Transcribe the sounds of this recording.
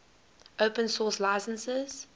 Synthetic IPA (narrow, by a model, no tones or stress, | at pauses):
ʔopə̃nsɔslaɪsə̃nsɪz̥